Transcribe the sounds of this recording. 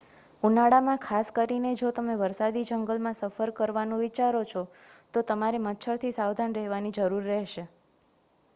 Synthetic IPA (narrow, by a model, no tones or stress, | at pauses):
unaɽamãkʰaskəɾined͡ʒot̪əmeʋəɾsad̪id͡ʒəŋɡəlmãsəfəɾkəɾʋanũʋit͡ʃaɾot͡ʃʰɔt̪ot̪əmaɾemət̪ːʃʰəɾt̪ʰisawd̪ʱanɾɛɦʋanid͡ʒəɾuɾːɛɦʃe